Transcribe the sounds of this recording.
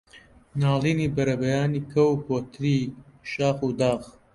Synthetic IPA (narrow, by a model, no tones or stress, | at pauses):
naːliːniːbɐɾɐbɐjaːniːkʰɐwpoːt̪ʰɾiːʃaːxuːd̪aːɣ